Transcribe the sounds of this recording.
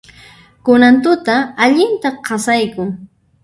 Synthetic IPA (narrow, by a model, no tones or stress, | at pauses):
kʊnant̪ʊt̪aːʎɪnt̪aqʰɑsajkʊŋ